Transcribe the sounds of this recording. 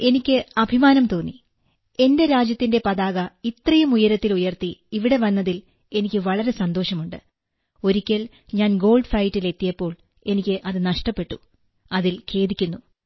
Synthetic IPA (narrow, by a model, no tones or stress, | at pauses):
e̞nikʲːɨɐbʱimaːnɐmt̪o̞ːnːi | e̞nde̞ɾaːd͡ʑjɐt̪ːinde̞pɐðaːɣɐit̪rɐjɐmujɐɾɐt̪ːilujɐrt̪iiʋiɽe̞ʋɐnːɐðil | e̞nikʲːɨʋɐɭɐɾe̞sɐnd̪o̞ːʂɐmuɳɖɨ | o̞ɾikʲːɐl | ɲaːnɡo̞ːɭɖfɐjtːile̞t̪ːijɐpːo̞ːɭ | e̞nikʲːɨʔɐðɨnɐʂʈɐpːe̞ʈːu | ɐðilkʰe̞ːðikʲːunːu